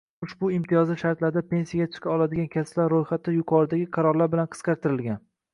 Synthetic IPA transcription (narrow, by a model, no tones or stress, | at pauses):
ʊʃbʊɪmt̪ʰɪjɒzɪʃaɾt̪laɾd̪apʰe̞nsijaɡʲat͡ʃ̪ʰʊ̥kʲaɒlˠad̪ɪɡʲankʲʰasplaɾɾojχat̪ːɪjʊqʰɒɾɪd̪aɡʲɪqʰɑɾɒɾlaɾbɪlanqʰɨ̥sqɑɾt̪ʰɪɾɪlɡʲan